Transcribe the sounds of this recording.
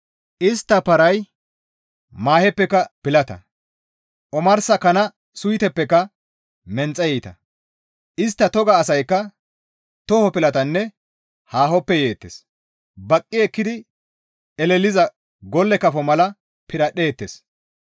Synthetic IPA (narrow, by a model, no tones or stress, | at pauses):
ʔɪst̪ːɐpɐɾɐj | maːhɛpːɛkːɐpɪlɐt̪ɐ̰ | ʔɔmɐɾsɐkɐnɐ | sʊjt̪ɛpːɛkːɐ | mɛnt͡sʼːɐjɛt̪ɐ̰ | ʔɪst̪ːɐt̪ɔɡɐːsɐjkːɐ | t̪ɔhɔpɪlɐt̪ɐnːɛ | haːhɔpːɛje̞ːt̪ːḛs | bɐkʼːɪɛkːɪd̪ɪ | ɛlɛlɪzɐ | ɡɔlːɛkɐfɔmɐlɐ | pɪɾɐɗe̞ːt̪ːḛs